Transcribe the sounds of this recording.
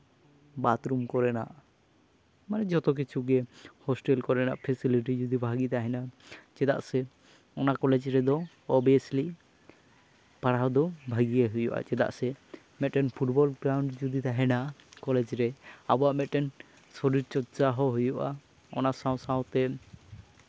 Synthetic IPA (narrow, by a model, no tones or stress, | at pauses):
bat̪ɾumkɔɾɛna̰ʔ | manɛd͡ʒɔt̪ɔk̬it͡ʃʰuɡɛhɔsʈɛlkɔɾɛna̰ʔpʰɛsiliʈ̬id͡ʒud̪ibʱaɡit̪aɦɛnat͡ʃɛd̪a̰ʔsɛ | ɔnakɔlɛd͡ʒɾɛd̪ɔ | ɔbiɛsli | paɽad̪ɔbʱaɡijaɦujɔ̰ʔa̰t͡ʃɛd̪a̰ʔsɛ | mɛt̪ʈɛnpʰuʈbɔlɡɾawɳɖd͡ʒud̪it̪aɦɛnaʔkɔlɛd͡ʒɾɛabɔaʔmɛt̪ʈɛn | sɔɾiɾt͡ʃɔɾt͡ʃaɦɔɦujɔʔa | ɔ̰nasãw̃saw̃t̪ɛ